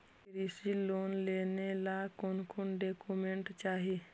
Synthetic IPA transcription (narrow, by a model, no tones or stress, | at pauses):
ɾisiloːnleːnelakonkonɖeːkumẽɳʈt͡ʃaːɦi